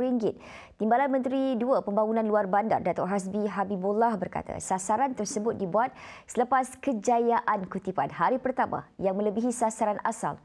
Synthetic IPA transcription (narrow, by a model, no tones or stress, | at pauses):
ɾiŋɡɪt̪̚ | t̪ːimbalanmə̃nt̪ɾiduəpəmbaŋunãnluarbanda̰rdat̪ɔrɦas̬biɦabibulːahbərka̰t̪a̰sasaɾant̪ərsəbʊt̪̚dibuat̪̚sələpaskəd͡ʒajaʔankut̪ipa̰nhaɾipərt̪ama̰jaŋmə̃ləbiɦisasaɾanʔasa̰l